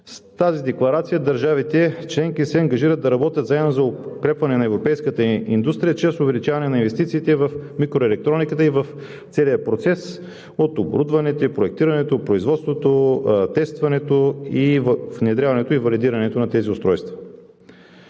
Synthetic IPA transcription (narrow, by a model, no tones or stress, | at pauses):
st̪azid̪ɛklˠɐɾat̪sijəd̪ɐɾʒavit̪ɛt͡ʃlɛŋkisɛɐŋɡɐʒiɾət̪d̪ɐɾɐbɔt̪jət̪zaɛnozɐokɾɛpvɐnɛnɐɛvɾopɛjskət̪əind̪ust̪ɾijət͡ʃɾɛsʊvɛlit͡ʃavɐnɛnɐinvɛst̪it̪siːt̪ɛvɐfmikɾoɛlɛk̚t̪ɾɔnikət̪əivɐf | t̪sɛlijəpɾot̪sɛs | ot̪obɾud̪vɐnɛt̪ɛpɾoɛk̚t̪iɾɐnɛt̪opɾoizvɔt̪st̪vot̪ot̪ɛst̪vɐnɛt̪oivvnɛd̪ɾʲjavɐnɛt̪oivɐlid̪iɾɐnɛt̪onɐt̪ɛziʊst̪ɾɔjst̪və